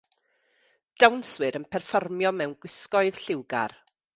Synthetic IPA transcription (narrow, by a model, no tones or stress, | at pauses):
d̥awnswɨɾənpʰɛrfɔrmjɔmɛwnɡ̥wɪskɔɨð̥ɬɪwɡa̰r